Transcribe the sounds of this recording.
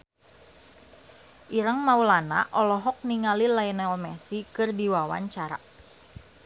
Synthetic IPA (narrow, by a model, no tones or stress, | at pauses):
ʔiɾəŋmaulana̰ʔɔlɔɦɔk̚niŋalilainɛlmɛsikɨrdiwawa̰ɲt͡ʃaɾa̰